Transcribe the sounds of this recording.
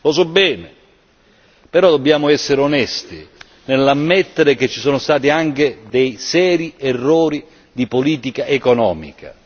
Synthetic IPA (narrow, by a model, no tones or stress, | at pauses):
losɔbːɛːne | peɾɔd̪obːjaːmʊɛsːeɾeonɛst̪i | nelːamːet̪ːeɾek̟et͡ʃːisɔːnʊst̪aːt̪̬iaŋked̪ejsɛːɾierːɔːɾi | d̪ipoliːt̪ikaʔekonɔ̰ːmḭka̰